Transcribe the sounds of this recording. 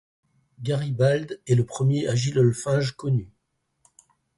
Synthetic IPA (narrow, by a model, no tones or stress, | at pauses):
ɡaʁibald̪ɛləpχəmjeʔaʒilɔlfɛ̃ʒkɔny